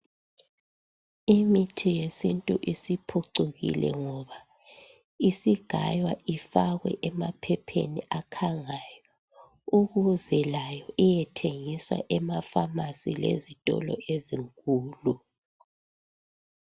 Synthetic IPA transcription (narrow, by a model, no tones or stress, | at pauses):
imitʰijesintʼuʔisipʰuǀuɣḭlɛ̰ŋɔβa | isiɡ̥ʱa̰jwaʔifaɣwɛ̰ʔɛmapʰɛpʰḛniʔakʰaŋajɔ | uɣuzɛlajɔʔijɛtʰeŋiswa̰ʔɛmafamasilḛzitʼɔ̰lɔ̰ʔeziŋkʼuːlu